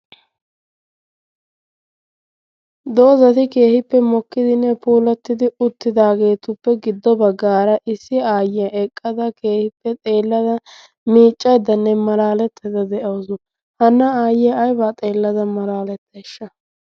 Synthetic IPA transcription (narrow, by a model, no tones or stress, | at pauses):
d̪o̞ːzɐt̪ɪke̞ːhɪpːɛmɔkːɪd̪ɪnːɛpuːlɐt̪ːɪd̪ɪʊt̪ːɪd̪aːɡe̞ːt̪ʊpːɛɡɪd̪ːɔbɐɡːaːɾɐʔɪsːɪaːjɪjɐʔɛkʼːɐd̪ɐke̞ːhɪpːɛt̪ʼe̞ːlːɐd̪ɐ | miːt͡ʃʼːɐjd̪ɐnːɛmɐlaːlɛt̪ʰːɛd̪ɐd̪ɛʔɐwsʊ | hɐnːɐaːjɪjɐɐjbaːt̪ʼe̞ːlːɐd̪ɐmɐlaːlɛt̪ːɛʃːɐ